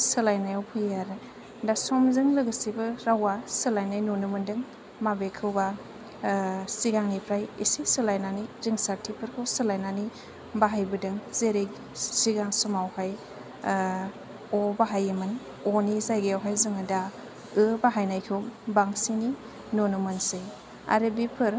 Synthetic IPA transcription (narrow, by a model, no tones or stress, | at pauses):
sɯlajnajawpʰɯjaɾ | dasɔmzɯŋlɯɡɯsibɯɾawasɯlajnajnonɯmɯndɯŋ | mabekʰɯwba | siɡaŋnipʰɾajisisɯlajnaniziŋsaɾtʰipʰɯɾkʰɯwsɯlajnani | baɦajbɯdɯŋz̥eɾek | siɡaŋsumawhaj | ɔbaɦajimɯn | onizajɡeawɦajzɯŋɯda | ɯbaɦajnajkʰɯwbaŋsini | nonɯmɯnse | a̰ɾɯbipʰɯɾ